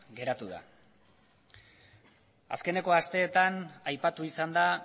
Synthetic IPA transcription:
ɡe̞ɾat̪uða̰ | a̰ske̞ne̞ko̞ast̪e̞ːt̪anajpat̪uisand̪a

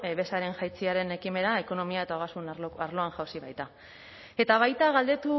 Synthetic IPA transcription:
βe̞saɾe̞ŋʝajt͡siaɾe̞ne̞kime̞ɾae̞ko̞no̞miae̞t̪aoɣasunaɾlo̞aŋʝawsiβajt̪a | e̞t̪aβ̞ajt̪aɣald̪e̞t̪u

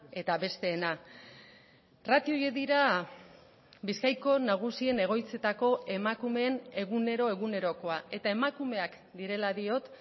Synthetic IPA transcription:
e̞t̪aβe̞st̪e̞ːna | rat̪io̞jeðiɾa | biskajko̞naɣ̞usie̞ne̞ɣ̞o̞jt͡se̞t̪ako̞ʔe̞makume̞ːne̞ɣ̞une̞ɾo̞e̞ɣ̞une̞ɾo̞ko̞aʔe̞t̪ae̞makume̞ak | d̪iɾe̞laðio̞t̪

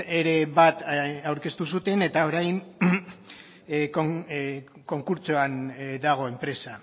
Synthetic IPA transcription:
eɾe̞βat̪awɾke̞st̪usut̪e̞ne̞t̪ao̞ɾajn | ko | ko̞ŋkuɾt͡soand̪aɣ̞o̞e̞mpɾe̞sa

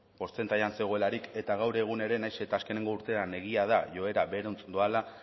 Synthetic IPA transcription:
po̞st͡se̞nt̪aʎanse̞ɣ̞o̞e̞laɾike̞t̪aɣawɾe̞ɣ̞une̞ɾe̞najse̞t̪aːske̞neŋɡo̞uɾt̪e̞ane̞ɣ̞iað̞aʝo̞e̞ɾaβe̞ɾont͡snd̪oala

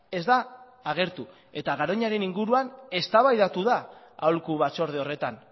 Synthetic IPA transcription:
e̞zd̪aː | ɣ̞e̞ɾt̪u | e̞t̪aɣaɾo̞ɲaɾe̞niŋɡuɾuane̞st̪aβajðat̪uða | a̰wlkuβat͡ʃo̞ɾð̞eo̞re̞t̪an

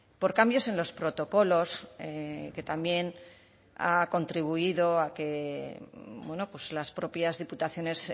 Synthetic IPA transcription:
po̞ɾkambjo̞se̞nlo̞spɾo̞t̪o̞ko̞lo̞seke̞t̪ambje̞n | a̰ko̞nt̪ɾiβ̞uiðo̞ake̞ | bwe̞no̞pwe̞zlaspɾo̞pjazðiput̪aθjo̞ne̞s

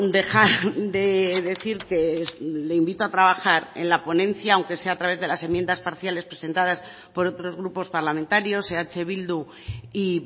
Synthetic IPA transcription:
d̪e̞xaɾd̪e̞ðe̞θiɾke̞leimbit̪oat̪ɾaβaxaɾe̞̰nlapo̞nẽ̞n̟θjaːwŋke̞se̞aːt̪ɾaβe̞zðe̞lase̞mje̞nd̪aspaɾθjale̞spɾe̞se̞nt̪að̞as | po̞ɾo̞t̪ɾo̞zɣɾupo̞spaɾlament̪aɾjo̞seat͡ʃe̞β̞ild̪u | i

